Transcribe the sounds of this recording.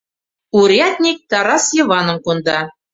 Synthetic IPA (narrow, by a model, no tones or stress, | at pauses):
uɾʲiɑt̪ʲnʲik̚t̪ɑɾɑsjɤ̆βɑnɤ̆mkond̪ɑ